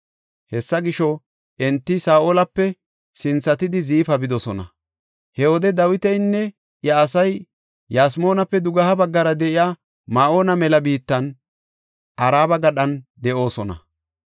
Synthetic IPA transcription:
hɛsːɐɡɪʃɔ | ʔɛnt̪ːɪsaːʔoːlɐpːɛ | sɪnt͡sːɐt̪ɪd̪ɪziːfɐbɪd̪ɔsɔnɐ̰ | hɛwɔd̪ɛd̪ɐwɪt̪ɛjnːɛ | jaːsɐj | jaːsmo̞ːnɐpːɛd̪ʊɡɐhɐbɐɡːɐɾɐd̪ɛʔɪjaː | maːʔoːnɐmɛlɐbiːt̪ːɐn | ʔɐɾaːbɐɡɐɗɐnd̪ɛʔo̞ːsɔnɐ̰

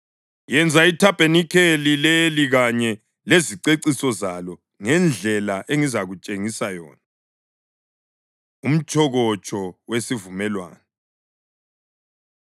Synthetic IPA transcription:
jɛnd͡zʱaitʰapʼenikʰelileliɣaɲɛ | leziǀeǀisɔzalɔ | ŋɛnd͡ɮʱɛlaʔeŋizaɣut͡ʃʼeŋisajɔ̰ːna | um̩t͡ʃʼɔɣɔt͡ʃʼɔwesivumɛlwa̰ːnɛ

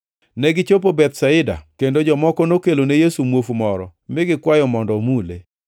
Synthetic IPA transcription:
nɛɡɪt͡ʃopobɛt̪saɪda̰kendod͡ʒɔmɔkɔnokelonejesumwofmɔɾɔ̰mɪɡɪkwajɔmɔndɔmule

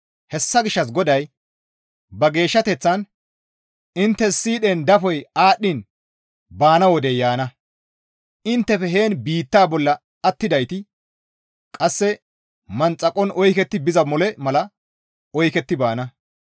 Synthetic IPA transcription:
hɛsːɐɡɪʃːɐs̬ɡɔd̪ɐj | bɐɡe̞ːʃːɐt̪ɛt͡sːɐn | ɪnt̪ːɛsːiːɗɛnd̪ɐfɔjaːɗːɪn | baːnɐwɔd̪ɛjaːnɐ | ɪnt̪ːɛfɛɦeːnbiːt̪ːaːbɔlːɐ | ɐt̪ːɪd̪ɐjt̪ɪ | kʼɐsːɛ | mɐnt͡sʼːɐkʼːɔnɔjkɛt̪ːɪbɪzɐmɔlɛmɐlɐ | ɔjkɛt̪ːɪbaːnɐ

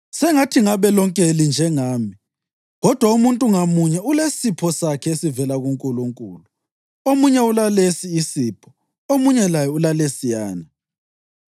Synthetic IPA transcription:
sɛŋatʰiŋaβɛlɔŋkʼelind͡ʒʱɛŋaːmi | ɣɔd̥ʱwaumuntʼuŋamuɲɛulesipʰɔsakʰɛesivɛlaɣuŋkʼuluŋkʼuːlu | omuɲɛulalesiːsiːpʰɔ̥ | omuɲɛlajɛulalesijaːna

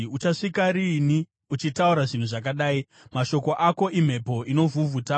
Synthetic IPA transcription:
ut͡ʃaʂikaɾini | ut͡ʃitauɾaʐin̤uʐak̬aɗaːi | maʃo̞ko̞ʔako̞ʔim̤e̞po̞ʔino̞vʱuvuta

